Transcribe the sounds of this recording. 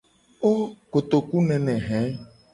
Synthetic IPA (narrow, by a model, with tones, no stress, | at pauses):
o˦ko˨t̪o˨ku˦nɛ̃˨nɛ̃˨ɦɛ̃˨˦